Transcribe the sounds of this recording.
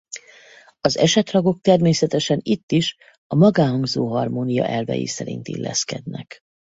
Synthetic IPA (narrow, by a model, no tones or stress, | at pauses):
ɒzɛʃɛt̪rɒɡo̞k̚t̪ɛrmeːsɛt̪ɛʃɛnit̪ːiʃ | ɒmɒɡaːɦɒŋɡzoːɦɒrmoːnijɒ̰ʔɛlvɛ̰jḭsɛɾḭnt̪ḭlːɛ̰skɛd̪nɛk